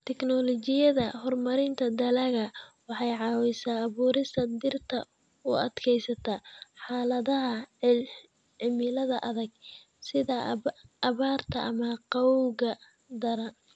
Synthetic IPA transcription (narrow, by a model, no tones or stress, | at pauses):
t̪ʰɛknɔlɔt͡ʃɪjɐðɐhɔrmɐɾɪnt̪ʰɐd̪ɐlɐɣɐwɑħɑjʕɑːwɛjsaːβuːɾɪst̪ʰɐd̪ɪrt̪ʰɐ | ʊɐd̪kʰɛjsɐt̪ʰɐħɑːlɐðɐɦɐ | ʕɪmɪlɐðɐʔɐðɐɡ | sɪðɐː | βaːrt̪ʰɐ̰ʔɐmɐqɑwɣɐ | d̪ɐɾɐ